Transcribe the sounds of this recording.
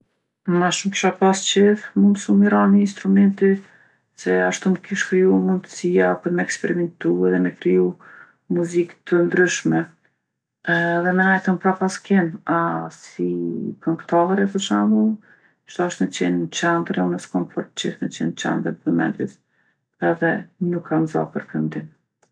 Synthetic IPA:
maʃumki̥ʃapast͡ʃiθmund̪ʃumiɾaniːnst̪ɾumɛnt̪i | sɛaʃt̪uməkiʃkɾijumund̪ə̥sijapuɾmɛɛkspɛɾimɛnt̪uɛðɛmɛkɾiju | muzikt̪ʰənd̪ɾyʃmɛ | ðɛmɛnajθəmpɾapaskɛnasikəŋkt̪ɔvɛɾɛpət͡ʃamu | ʃt̪ɔɔʃt̪nət͡ɕɛnt͡ɕɛnd̪ɾɛunəskɔmfɔɾt̪t͡ʃiʃnət͡ɕɛnt͡ɕɛ̰nd̪ɾɛəmɛ̰nd̪is | ɛðɛnukʰːanzɔ̰pəɾkənd̪in

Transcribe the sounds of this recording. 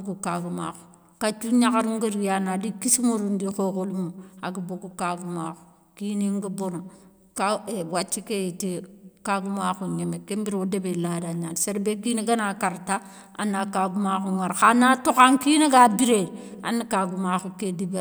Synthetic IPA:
kukaɡuma̰xu | kat͡ʃuɲakaɾuŋɡiɾijanadikisimuɾundixokulumuaɡiboɡukaɡumaxu̥ | kiniŋɡibono | kaewat͡ʃːikejitikaɡumaxuɲemekembiɾodebeladaɲanseɾbekineɡanakaɾta | a̰nːakaɡumaxuŋaɾxanatuxaŋkineɡabiɾeda̰nːikaɡumaxukedibe

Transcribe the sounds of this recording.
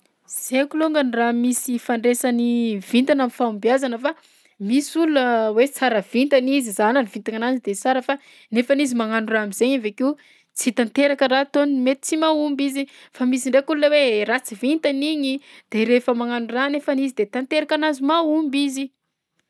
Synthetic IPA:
z̥ekuloŋɡəniramisifaɳɖ͡ʐesanivint̪anamifaumbjazanəfa | misulunəwet͡saɾəv̥int̪anizizananivint̪aŋanazid̪et͡saɾəfa | nefanizimaŋanuramizeɲaveki | t͡sit̪ant̪eɾakəɾat̪onmet̪i̥t͡simaumbizi | famisiɳɖ͡ʐekulunəwerat͡sivint̪aniɲid̪̥eɾefəmaŋanuranefanizid̪et̪ant̪eɾakanazimaumbizi

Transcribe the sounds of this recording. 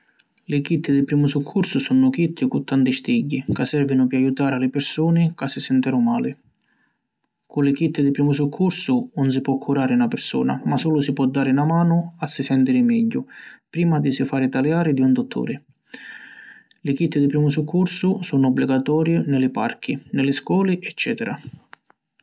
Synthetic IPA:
lɪkit̪ːɪd̪ɪpɾiːmʊsukʰːursʊsunʊkit̪ʰːɪkʊt̪ːant̪ist̪iɟːikasːɛrvinʊpɪajut̪aːɾɪalɪpɪɾsuːnɪkasːɪsɛnt̪ɛɾʊmaːlɪ | kʊlɪkit̪ːɪd̪ɪpɾiːmʊs̬ukʰːursʊʊns̬ipwɔkʰːuɾaːɾɪunapɪɾsṵːna̰masuːlʊsipwɔd̪ːaːɾɪnamaːnʊasːisɛnt̪iɾɪmɛɟːʊpɾiːmad̪isifaːɾɪt̪aljaːɾɪd̪iund̪ʊt̪ʰːo̰ːɾɪ | lɪkit̪ːɪd̪ipɾiːmʊs̬ukʰːursʊsunʊɔbːliɡat̪ɔːɾjɪnɪlɪpa̰rk̟ʰinɪlɪskwɔːliʔɛt͡ʃːɛːt̪ɛɾa̰

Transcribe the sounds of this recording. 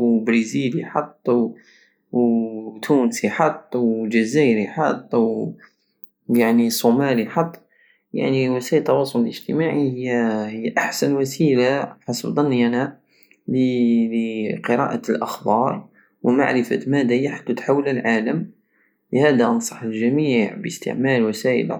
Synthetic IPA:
wbɾiziliħɑt̪ˤːw | wt̪ʰunsiħɑt̪ˤːwd͡ʒæzæɾiħɑt̪ˤːw | jaʕnisˤomæliħɑt̪ˤː | ja̰ʕniwæsæʔəlt̪ːɑwɑsˤʊləlʔəʒt̪əmaʕihəjːhəjːʔaħsænwæsilaħasəbd̪ˤɑnːjæna | lələqəɾɑ̰ʔalʔə̰xbɑɾˤ | wma̰ʕɾəfæmæd̪æjaħḁt̪ːæt̪ħawːləlʕaləm | ləhæd̪æʔɑnsˤɑħəlʒæmiʕbəst̪ə̰ʕmælwæsæʔə̰l

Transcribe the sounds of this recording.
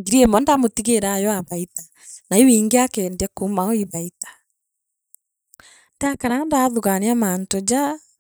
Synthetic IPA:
ŋɡiɾiɛmɔndamotiɣeɾajɔaβaita | naiwiːŋɡeakɛːndɛkomaoiβaitḁ | ndakaɾandaðuɣaniamantod͡ʑa

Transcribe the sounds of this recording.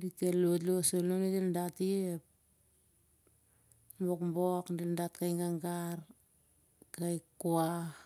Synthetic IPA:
dikelotlosolonideldatiep̚ | mbokmbokdeldat̚kajŋɡaŋɡaɾ | kajkːua

